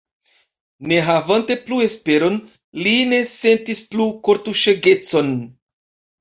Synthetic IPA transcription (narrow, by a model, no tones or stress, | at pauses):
ne̞ɦavante̞plue̞spe̞ɾo̞n | line̞se̞ntisplukoɾtuʃeɡe̞t͡so̞n